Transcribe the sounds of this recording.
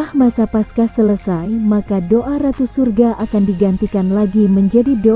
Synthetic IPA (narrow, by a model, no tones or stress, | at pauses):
ahmasapaskasələsajmakadoʔaɾat̪usurɡaʔakandiɡant̪ikanlaɡiməɲd͡ʒadido